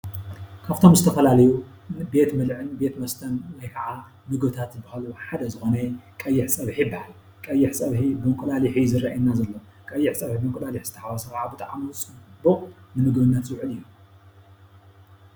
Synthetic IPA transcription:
kʰaβt̪ʰo̞mzɨt̪ʰɐfɐlalɐju | be̞t̪mɨlʕɨnbet̪mɐst̪ʰɐnwɔjkʰaʕa | mɨɡbɨt̪ʰat̪zɨbahaluħad̪ɐzɨxo̞nɐkʼɐjːɪħsʼɐβħibahal | kʼɐjːɪħsʼɐβħibɨmɨkʼɨlaliħizɨɾaʔajɛnːazɐlːo | kʼɐjːɪħsʼɐβħibɨmkʼlaliħz̥ɨt̪ʰɐħawɐsɐkaʕabɨt̪ʼaʕanut͡sʼɨbɨχʼnɨmɨɡbɨnːat̪sɨwʕɨlɨjːu

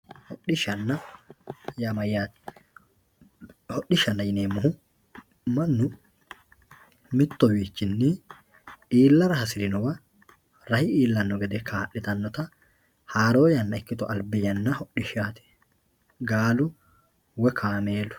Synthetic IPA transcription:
hɔɗɪʃɐnːɐ | jɐmɐjːaːt̪ɪ̥ | hɔʔːɪʃɐnːɐjɪneːmːʊɦʊ | mɐnːʊ | mɪt̪ːɔwiːt͡ʃːɪnːɪ | ʔiːlːɐɾɐhɐsɪɾɪnɔwɐ | ɾɐhɪiːlːɐnːɔɡɛd̪ɛkʰaːʔːɪt̪ɐnːɔt̪ɐ | haːɾoːjɐnːɐɛkːɪt̪ɔɐlbɪjɐnːɐhɔʔːɪʃaːt̪ɪ̥ | ɡaːlʊ | wɛkʰaːmeːlʊ̥

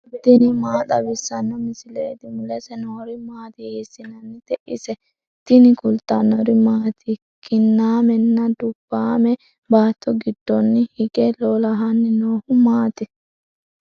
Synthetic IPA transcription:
ɪd̪ɪnɪmaːt̪ɐwɪsːɐnːɔmɪsɪleːt̪ɪmʊlɛsɛnɔɔɾɪmaːt̪ɪheːsːɪnɐnːɪd̪ɛʔɪ̰sɛ | t̪ɪnɪkʊlt̪ɐnːɔɾɪmaːt̪ʰɪ | kɪnːaːmɛnːɐd̪ʊb̥ːaːmɛ | baːt̪ːɔɡɪd̪ːɔnːɪhɪɡɛloːlɐɦɐnːɪnoːhʊmaːt̪ɪ

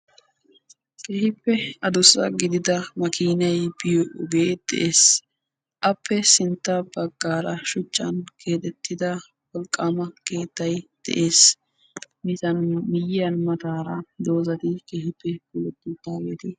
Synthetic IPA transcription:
kʼɛhɪpːɛɐd̪ʊsɐ̰ɡɪd̪ɪd̪ɐmɐkiːnɐjbɪjɔʔʊɡeːd̪̥ɛ̰ʔeːs | ʔɐpːɛsɪnt̪ːɐbɐɡːaːɾɐʃʊt͡ʃʼːɐ̰nkʰe̞ːt̪ɛt̪ːɪd̪ɐ | wɔlkʼːaːmɐke̞ːt̪ːɐjd̪̥ɛ̰ʔe̞ːs | mɪt̪ɐnmɪjɐnmɐt̪aːɾɐd̪o̞ːzɐt̪ɪkɛhɪpːɛbʊlɛt̪ːɪd̪aːɡeːt̪ɪ

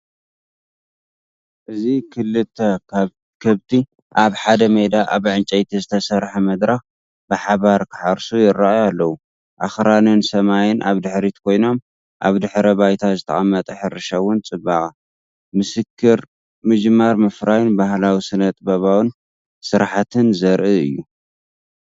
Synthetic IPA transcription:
ʔɨzikʰɨlːɨt̪ʰːɐ | kʰɐβt̪ʰi | ʔaβħad̪ɐmed̪aʔaβʕɨnt͡ʃʼɐjt̪ʰizɨt̪ʰɐsɐɾħɐmɐd̪ɾax | bɨħaβaɾkʰɨ̥ħaɾsujɪɾːaajalːɐwu | ʔaxɾanɨnsɐmajɪnʔa̰βd̪ɨħɾit̪kʰo̞jno̞m | ʔa̰βd̪ɨħɾɐbajt̪ʰazɨt̪ʰɐ̰ʔʼɐmːɐt̪ʼɐħɨɾːɨʃɐwʊnt͡sʼɨbːakʼa | mɨsɨkʰːɨɾ | mɨd͡ʒmːaɾmɐfɾajnbahlawisɨnːɐt̪ʼbɐβawɨn | sɨɾħat̪ʰɨnzɐɾʔɨɨjːu

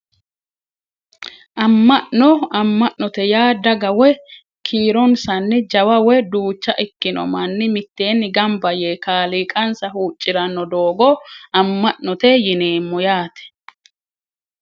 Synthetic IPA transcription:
ʔɐmːɐʔnɔɐmːɐʔnɔt̪ɛjaːd̪ɐɡɐwɛ | kʰiːɾɔnsɐnːɪd͡ʒɐwɐwɛd̪uːt͡ʃːɐʔɪkːɪnɔ̰mɐnːɪmɪt̪ːe̞ːnːɪɡɐmbɐjeːkaːliːkʼɐnsɐhuːt͡ʃʼːɪɾɐnːɔd̪oːɡɔɐmːɐʔnɔt̪ɛjɪne̞ːmːɔjaːt̪ɛ̥

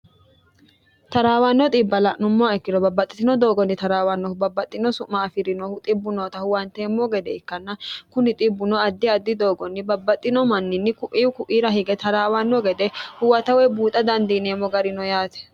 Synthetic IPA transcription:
t̪ɐɾaːwanːɔt̪ʼɪbːɐlɐʔnʊmːʊaɛkːɪd̪ɔbɐbːɐt̪ʼːɪt̪ɪnɔd̪o̞ːɡɔnːɪt̪ɐɾaːwanːɔhʊbɐbːɐt̪ʼːɪnɔsʊʔmːɐːfɪɾɪnɔhʊt̪ʼɪbːʊnɔːt̪ɐhʊwɐnt̪eːmːɔɡɛd̪ɛɪkːɐnːɐkʊnɪt̪ʼɪbːʊnɔɐd̪ːɪɐd̪ːɪd̪o̞ːɡɔnːɪbɐbːɐt̪ʼːɪnɔmɐnːɪnːɪkʊʔiːwkʊʔiːɾɐɦɪɡɛt̪ɐɾaːwanːɔɡɛd̪ɛhʊwɐt̪ɐwɛbuːt̪ʼɐd̪ɐnd̪iːneːmːɔɡɐɾɪnɔjaːt̪ɛ̥

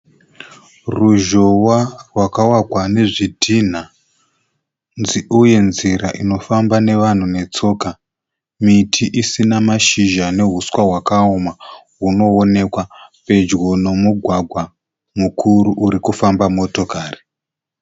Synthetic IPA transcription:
ruʒowarwakawakwane̞ʐidʱin̤a | nziuje̞nziɾaʔino̞fambane̞ʋan̤une̞t͡so̞ːka | mitʰiʔisinamaʃiʒane̞ɦuswaɦwakaoma | ɦuno̞one̞kwape̞d͡ʒɡo̞no̞muɡʱwaɡʱwa | mukʰuɾuʔuɾikufambamo̞to̞kaːri

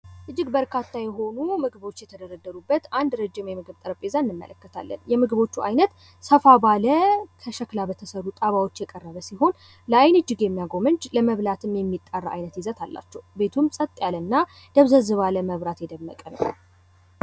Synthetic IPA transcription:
ʔɨd͡ʒːɪɡbəɾkʰat̪ʰːajɛɦo̞numɨɡɨβo̞t͡ʃːjɛt̪ʰəd̪əɾəd̪əɾubːət̪and̪ɾəd͡ʒːimjɛmɨɡɨβt̪ʼɨɾəpʼezaɨnːɨmːə̰ləkːət̪ʰa̰lːə̰njɛmɨɡɨβo̞t͡ʃːuʔa̰jnət̪ | səfabaləkʰəʃəklabət̪ʰəsəɾut̪ʼaβawo̞t͡ʃːjɛkʼərːəβəsiɦo̞n | ləajnɨd͡ʒːɪɡjɛmːijaɡo̞mɨɲd͡ʒləməβlat̪ʰɨmjɛmːit̪ʼːarːa̰jnət̪jizət̪ʰalːa̰t͡ʃːɛwbe̞t̪ʰumsʼət̪ʼːjalənːa | d̪̥əβzəzɨβaləməβɾat̪jɛd̪əmːə̰kʼənə̰

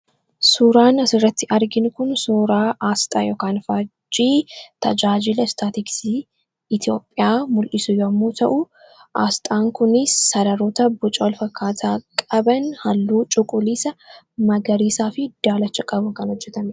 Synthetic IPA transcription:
suːɾaːnɐsɪrːɐt̪ːɪʔɐɾɡɪnʊkʊnsuːɾaːʔaːst̪ʼaːjɔːkaːnfaːd͡ʒiːt̪ɐd͡ʒaːd͡ʒɪlɐst̪aːt̪ɪksi | ɪt̪jo̞ːpʼːɪjaːmʊlʔɪsʊjoɐmːoːt̪ʰɐʔʊ | ʔaːst̪ʼaːŋkʊnɪsːɐdɐɾɔːt̪ɐbʊt͡ʃʼɐwɔlfɐkːaːt̪ʰaːkʼɐbɐnhɐlːuːt͡ʃʼʊkʼʊliːsɐ | mɐɡɐɾiːsaːfɪd̪̥aːlɐt͡ʃːɐkʼɐbʊkɐnhɔd͡ʒːɛt̪ɐm

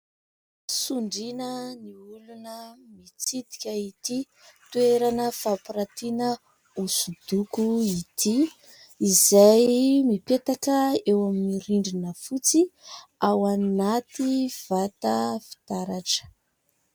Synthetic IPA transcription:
suɳɖ͡ʐinəniulunəmit͡sit̪i̥kʲəit̪i | t̪ueɾanəfapiɾat̪inə | usud̪̥ukuit̪ʰi | izajmipet̪akəewaminiɾiɳɖ͡ʐinəfut͡siawannat̪iv̥at̪əfi̥t̪aɾaʈ͡ʂə̥

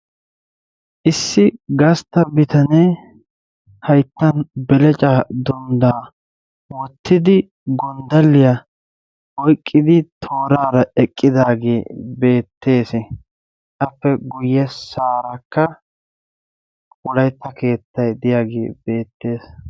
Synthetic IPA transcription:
ʔɪsːɪɡɐst̪ːɐbɪt̪ɐneː | hɐjt̪ːɐnbɛlɛt͡ʃʼad̪ʊnd̪aː | wɔt̪ʰːɪd̪ɪ | ɡɔnd̪ɐlːɪjɐ | ɔjkʼːɪd̪ɪt̪ʰo̞ːɾaːɾɐɛkʼːɪd̪aːɡeːbe̞ːt̪ːe̞ːs | ɐfːɛɡʊjːɛsaːɾɐkːɐ | ʊɔlɐjt̪ːɐke̞ːt̪ːɐjd̪ɪjaːɡe̞̰ːb̥e̞ːt̪ːe̞ːs

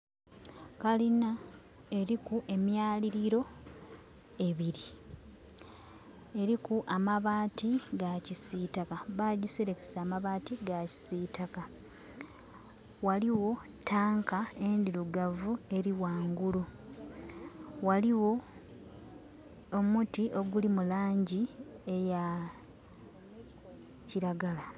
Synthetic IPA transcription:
kalina | e̞ɾikuʔe̞mjaːliɾiɾo̞ | e̞βiɾi | e̞ɾikuʔamaβaːtiɡacisiːtakaβaɟiseɾeke̥saːmaβaːtiɡaci̥sitaka | waliwo̞ | tʰaːŋkaendiɾuɡavue̞ɾiwaːŋɡulu | waliwo̞ | omutiʔo̞ɡulimulaːɲɟie̞ja | ciɾaɡala

